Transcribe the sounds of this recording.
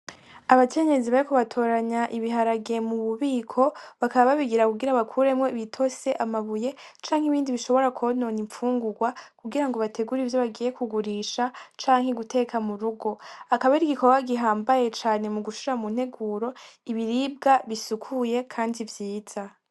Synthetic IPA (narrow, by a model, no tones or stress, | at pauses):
aβakʰe̞ɲe̞ziβaɾikuβatʰo̞ːɾaɲaʔiβiɦaɾaɡe̞muβuβiːkʰo̞βakaβaβaβiɡiɾakuɡiɾaβakʰuɾe̞mŋe̞βitʰo̞se̞ʔamaβuje̞t͡ʃaːŋhiβiːndiβiʃo̞βo̞ɾakʰono̞ːniɱfuːŋɡuɡwakʰuɡiɾaŋɡo̞βate̞ɡuɾivjo̞βaɡije̞kuɡuɾiːʃat͡ʃaːŋhe̞ɡute̞kʰamuɾuɡo̞akaβaiɾiɡiko̞ɡwaɡiɦaːmbaje̞t͡ʃaːne̞muɡuʃuɾamun̥he̞ɡuːɾo̞iβiɾiːb̚ɡaβisukʰuje̞kʰaːndivjiːz̥a